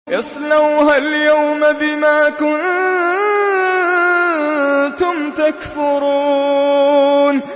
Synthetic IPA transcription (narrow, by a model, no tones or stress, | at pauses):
jɑsˤlawhaljawmabɪmaːkʊn | t̪ʊmt̪akfʊɾuː | n